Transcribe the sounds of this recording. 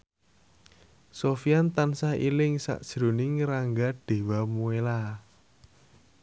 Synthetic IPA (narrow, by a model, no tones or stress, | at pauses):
sofijant̪ansaḭlɪŋsa̰ʔd̥ʒ̥ɾṳnɪŋraŋɡaɖ̥e̤wamuela